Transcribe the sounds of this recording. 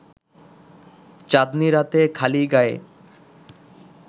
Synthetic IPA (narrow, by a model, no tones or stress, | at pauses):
t͡ɕad̪niɾat̪ekʰaliɡae